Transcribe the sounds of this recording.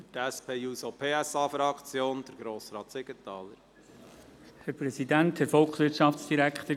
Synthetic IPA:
tæspʰeːuːsopʰeːæsɑːfɾɑkt͡sjoːnd̥əɾɡɾoːsɾɑːt̪sɪɡ̥ətːɑːləɾ | hæɾpɾɛsidænt̪hɛɾfɔlkχsʋɪɾtʃɑftt͡sd̥iɾækχt̪ə

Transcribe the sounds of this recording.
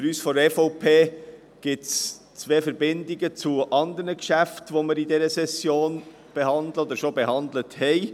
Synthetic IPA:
fyɾyːsfɔdɛfɔʊpʰeː | ɡ̥ɪts | t͡sʋeːfəɾbɪndiɡət͡suʔɑnd̪əɾnəkʃæftʋoməɾidɛɾəsɛsjoːn | b̥ehɑndləod̪əɾʃobeɦɑnd̪ləthɛɪ

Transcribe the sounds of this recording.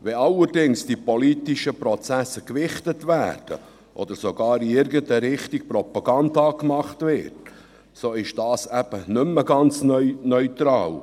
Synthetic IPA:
ʋɛɑlːəɾdɪŋsd̥ipoliːtiʃəpɾɔt͡sæsəkʋɪχtətvæ̰ːɾd̥ə̰ | ʔɔ̰d̪əɾsoɡɑːɾiɪɾɡəntəɾɪχt̪ik̚pɾɔpɑɡ̥ɑnd̪ɑːkmɑχtvɪːɾt | soːɪʃd̥ɑːsæb̥ənʏmːəɡɑnt͡snœnœʏt̪ɾɑːl

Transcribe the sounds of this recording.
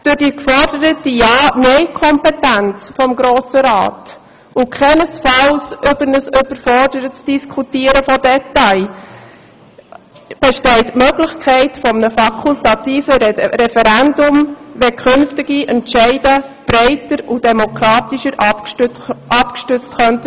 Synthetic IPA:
d̥ʊɾd̥ikfɔrdəɾətijɑːnœɪkʰɔmpɛtænt͡sfɔmɡɾoːsəɾɑ̰ːt | ʊkʰχɛnəsfɑlsʏbəɾnəsʏbəɾfɔrdəɾətsd̥iskʰutiːəɾəfɔdɛtːaɪ | b̥ɛʃtɛɪtmøɡlɪçkʰɛɪtfɔmnəfɑkʰultɑtiːfəɾɛfɛɾændʊmvɛkʰʏnftɪɡ̥iʔɛntʃɛɪdəb̥ɾɛɪtəɾud̥ɛmokʰɾɑːtiʃəɾ | ɑpkʃtʉt͡stxœntə

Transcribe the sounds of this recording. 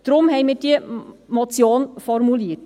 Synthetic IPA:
d̥ɾʊmhɛɪmiːɾd̥iəmɔt͡sjoːnfɔɾmuliət

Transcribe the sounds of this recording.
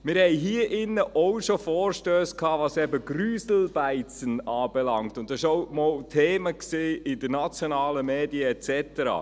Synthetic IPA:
mɪɾhɛɪɦiəʔɪnːəʔowʃofɔːɾʃtøːskʰhɑːvɑsɛbəɡ̥ryːzl̩b̥æɪt͡sənɑːb̥ɛlɑŋktʊndɑsɪʃowmɔːltʰeːməksiːɪdəɾnɑt͡sjonɑːləmeːdiəɛt͡sɛtəɾɑ̰ː

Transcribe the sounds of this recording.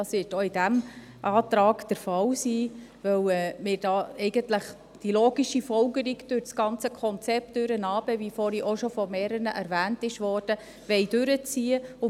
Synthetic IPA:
ɑsʋvɪtoɪdæm | ʔɑːtɾɑːɡd̥əɾfɑwsiː | vœwɛːmɪːɾd̥ɑːɛɪɡəntləχ | d̥iloːɡiʃifɔlɡəɾiɡd̥øɾt͡sɡ̥ɑnt͡səkʰɔnt͡sɛp̚td̥øɾənɑːb̥əvifɔɾiʔɔʃɔfɔmɛːɾənəʔæɾvæːntɪʃʋɔːɾd̥ə | ʋɛɪd̥ʉɾət͡siːəʊ

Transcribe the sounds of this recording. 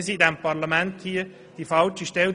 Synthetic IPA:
sidɛmpɑɾlamɛnthiə | d̥ifɑlt͡ʃiʃtɛl

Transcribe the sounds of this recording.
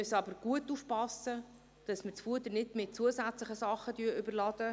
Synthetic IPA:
œsɑbəɾɡ̥uətːuːfpɑsə | d̥ɑsmət͡sfuətənɪdmɪt̚t͡suəsæt͡slɪχəsɑχːədyːʔʏbəlɑd̥ə

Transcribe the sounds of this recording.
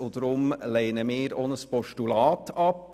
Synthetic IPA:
ʊt̪ɾʊmleɪnəmiːɾoːnəspɔʃʈʉlɑːt̪ʰɑp

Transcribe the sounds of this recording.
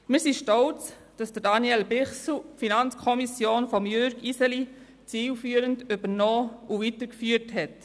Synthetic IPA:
mɪɾsiʃtɔʊt͡s | d̥ɑsd̥ədɑniɛlbɪχsl̩finɑnt͡skʰɔmisjoːnfɔmjøɾɡisɛli | t͡siːlfyːəɾəntybənoːuʋitəkfyːəthɛt

